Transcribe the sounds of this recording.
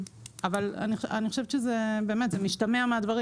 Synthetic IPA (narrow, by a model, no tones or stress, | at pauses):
avala̰nia̰niχoʃevʃezebe̞eːme̞tzemiʃtameamead̪vaʁi